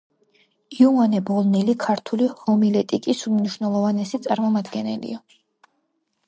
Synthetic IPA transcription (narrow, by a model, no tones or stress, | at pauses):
iuanɛbɔlˠnɛlikʰaɾt̪ʰulihɔmilɛt̪ʼikʼisumniʃwnɛlˠɔvanɛsit̪sʼaɾmɔmad̪ɡɛnɛlḭa